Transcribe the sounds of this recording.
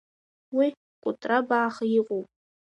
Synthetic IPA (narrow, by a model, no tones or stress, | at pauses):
wi | kʷʼʊtʼrabaːχajiqʼupʼ